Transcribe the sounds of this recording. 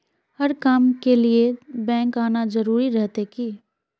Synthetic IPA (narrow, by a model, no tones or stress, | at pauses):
hɐɾkaːmkeliebɛ̃ːŋkaːnazɐɾuːɾiɾɛɦt̪eki